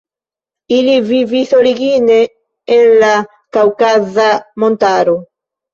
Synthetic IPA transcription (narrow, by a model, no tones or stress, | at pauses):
iliviviθoɾiɡineː | la | kawkazamont̪aɾu